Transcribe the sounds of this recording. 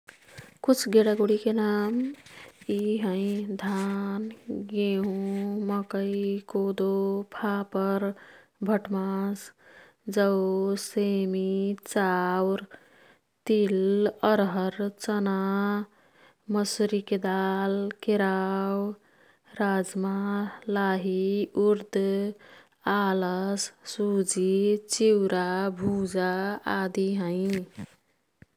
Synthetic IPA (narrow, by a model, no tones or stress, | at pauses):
kut͡ʃʰɡeɽaɡoɽikenam | iɦə̃jd̪ʱanɡeɦũməkəjikod̪opʰapəɾ | bʱəʈmas | d͡ʒəwsemit͡ʃawɾ | t̪iləɾɦəɾt͡ʃəna | məsɾiked̪alkeɾaw | ɾad͡ʒmalaɦiuɾd̪ | aləssud͡ʒit͡ʃiwɾabʱud͡ʒaad̪iɦə̃j